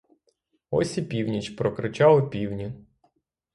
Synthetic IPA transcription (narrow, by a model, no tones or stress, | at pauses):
ɔ̰sʲipʲiwnʲit͡ʃpɾɔkɾɪt͡ʃɑlˠɔpʲiwnʲi